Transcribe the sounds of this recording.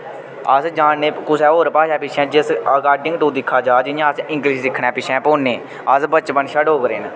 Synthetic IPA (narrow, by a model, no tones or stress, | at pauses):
əsd͡ʒaːnːeːkʊsɛːoːɾpaːʃaːpɪʃʰɛ̃ːd͡ʒɪsəɡaːɖɪŋɡt̪ũːd̪ɪkʰːaːd͡ʒaːd͡ʒɪjãəsɪ̃ŋkliʃsɪkʰːɽɛ̃ːpɪʃʰɛ̃ːpoːnːeː | əsbət͡ʃbənʃaɖoːkɾeːn